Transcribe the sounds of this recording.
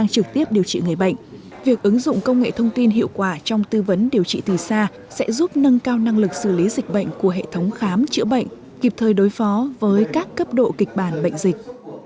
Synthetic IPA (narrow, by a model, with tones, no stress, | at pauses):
ɗaː˧ŋt͡ɕɨ˨˩k̚t̪i˦˥əp̚ɗi˨˩əwt͡ɕḭ˧˨ŋɨ˨˩əjɓə̰˧˨jŋ̟ | vi˨˩ək̚ʔɨ˨˦ŋzʊ̰˧˨ŋ͡mkə˧wŋ͡mŋḛ˧˨t̪ʰə˧wŋ͡mt̪i˧nɦḭ˧˨əwkwaː˧˩t͡ɕɔ˧wŋ͡mt̪ɨ˧və˨˦nɗi˨˩əwt͡ɕḭ˧˨t̪i˨˩saː˧ | sɛ̰˧˥zu˦˥p̚nə˧nkaː˧wna˧ŋlɨ˨˩k̚sɨ˧˩li˨˦zï˨˩k̚ɓə̰˧˨jŋ̟ku˧˩əɦḛ˧˨t̪ʰə˨˦wŋ͡mxaː˨˦mt͡ɕɨ̰˧˥əɓə̰˧˨jŋ̟ | ki˨˩p̚t̪ʰəː˨˩jɗo˨˦jfɔ˨˦vəː˨˦jkaː˦˥kːə˦˥p̚ɗo̰˧˨ki˨˩k̟̚ɓaː˧˩nɓə̰˧˨ŋ̟zï˨˩k̟̚